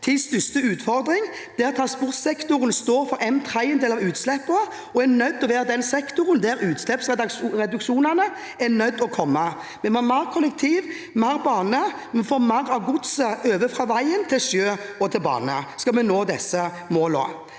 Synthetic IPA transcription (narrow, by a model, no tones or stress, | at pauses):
t̪ʰɪst̪ʏst̪əʉːt̪fɔɾd̪ɾɪŋ | d̪̥æʁt̪ʰɑspʊɾt̪sɛkt̪ʊɾənst̪oːfɔɾɛnt̪ʰɾæɪɛnd̪eːlɑʋʉːt̪slɛpːə | ɔænœd̪ːɔʋæːʁəd̪ɛnsɛkt̪ʊʁənd̪æɾʉːt̪slɛpsʁɛɾɛd̪ʉkʃuːnɑnə | ænœd̪ɔkʰɔmːə | mɛmɑmɑːɾkʰɔlɛkt̪ʰiːʋ | mɑːɾbɑːnəmɛnfoːɾmɑɾɑʋɡʊt̪səøːʋəfɾɑːʋæɪənt̪ʰɪlʃøːɔt̪ʰɪlbɑ̰ːnə̰skɑlmɛnoːd̪ɛsə | moːlɔ̰